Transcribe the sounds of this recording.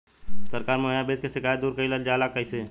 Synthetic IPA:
səɾkaːɾmoɦjabeːt̪keʃɪkaːjt̪̚d̪uːɾkəiləld͡ʒaːlakəise

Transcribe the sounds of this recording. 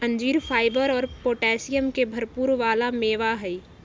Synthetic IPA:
ə̃ɲd͡ʒiːɾfʰaːɪbəɾɔːɾpoːʈɛːsijəmkebʱɐɾpuːɾʋaːlameːʋaɦɛi

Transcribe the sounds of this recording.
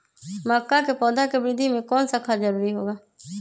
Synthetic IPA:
maːkːaːkeːpɔːd̪aːkebɪɾɪd̪ʱimẽːkɔːnsəkʰːaːd͡ʒəɾuːɾiɦoːɡaː

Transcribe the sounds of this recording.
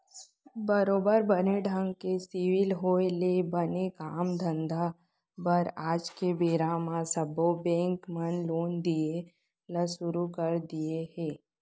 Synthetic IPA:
bəɾoːbəɾbəneɖʱə̃ŋɡ̚kesiwɪlɦoːelebənekaːmd̪ʱə̃nd̪ʱa | bəɾaːd͡ʒkebeːɾamãsəbʱobɛ̃ːŋkmənloːnd̪ie | ləsʊɾukəɾd̪iehɛ̃ː

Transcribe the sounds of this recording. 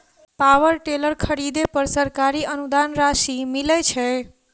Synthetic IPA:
pawəɾʈeləɾkʰəɾid̪epəɾsəɾkaɾiənud̪anɾasimilət͡ʃʰɛ

